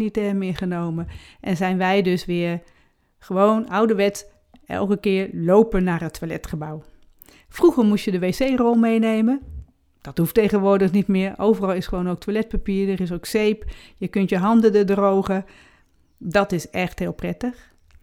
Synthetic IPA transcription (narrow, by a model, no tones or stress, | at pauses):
nitɛmɪɹχənowməʔɛnzɛjnʋɛjdøsʋɪːɹ | χəʋownʌwdəʋɛts | ɛ̰lˠkəkɪːɹlowpənːaːrɦətʰːʋalɛ̰tχəbaw | fruχəɹmutjədəʋeːsejrolˠmejnejmə | d̥ɑtɦuftejχənʋʊːɹdəχnitmɪːɹowvərɑlˠɪsχəʋownowktʋalɛt̚papiːɹdərɪs̬owksejpjəkɵntjəɦɑndədədrowχə | dɑtɪsɛχtɦɪːlˠprɛtəχ